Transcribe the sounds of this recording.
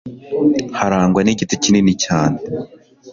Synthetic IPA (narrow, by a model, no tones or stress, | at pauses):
haɾaːŋɡwaniɟitocininicaːne